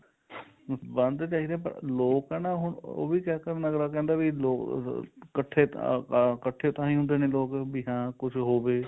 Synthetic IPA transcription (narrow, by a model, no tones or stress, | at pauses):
bənd̪t͡ʃaːɦiːd̪ẽːpə̰ɾloːkɛːnãːɦʊɳo̰ːʋiːkɛːkəɾnəɡɾaːk̬ɛ̃ːnd̪aːbiloːkkəʈʰːeː | kəʈʰːeːt̪ãːĩːɦʊ̃nd̪eːnẽːloːkbiɦãːkʊt͡ʃʰɦoːʋeː